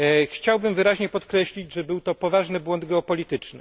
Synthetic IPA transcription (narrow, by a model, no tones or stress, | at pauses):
xt͡ɕawbɘmvɘɾaʑɲɛpɔt̪kɾɛɕlʲid͡ʑʐɛbɘwt̪ɔpɔvaʐnɘbwɔnd̪ɡɛɔpɔlʲit̪ɘt͡ʂnɘ